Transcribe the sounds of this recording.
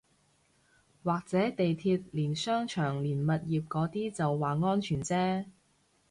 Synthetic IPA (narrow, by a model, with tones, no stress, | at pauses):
waː˨k̚t͡sɛː˨˥t̪e˨jt̪ʰiː˧t̚liː˨˩nsœː˥ŋt͡ʃʰœː˨˩ŋliː˨˩nmɐ˨t̚jiː˨p̚kɔː˨˥t̪iː˥t͡sɐ˨wːaː˨ŋɔː˥nt͡ʃʰyː˨˩nt͡sɛː˥